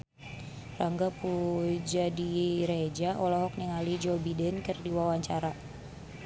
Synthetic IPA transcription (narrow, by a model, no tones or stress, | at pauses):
raŋɡapud͡ʒadiɾed͡ʒaʔɔlɔɦɔk̚niŋalid͡ʒobidɛnkɨrdiwawaɲt͡ʃaɾa